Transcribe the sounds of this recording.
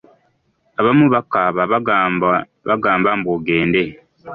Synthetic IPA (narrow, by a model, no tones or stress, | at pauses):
aβamuβakːaβaβ | βaɡaːmbamboɡeːnde̞